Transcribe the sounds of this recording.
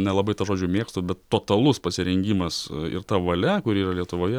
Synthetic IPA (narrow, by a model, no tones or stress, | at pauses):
nʲɛlˠɐbɐɪt̪ɐʒoːd͡ʒʲʊmʲeːkst̪oːbʲɛt̪tːoːt̪ɐlˠʊspɐsʲɪɾʲɛŋʲɡʲiːmɐsɪ̰rt̪ɐʋɐlʲɛkʊɾʲiːrɐlʲiɛt̪ʊʋoːjɛ